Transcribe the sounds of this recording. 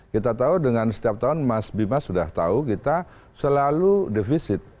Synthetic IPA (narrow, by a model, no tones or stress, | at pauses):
kit̪at̪audəŋansə̥t̪iap̚t̪aʊnmasbimasudaht̪a̰ukit̪a | səlaludefisɪt̪̚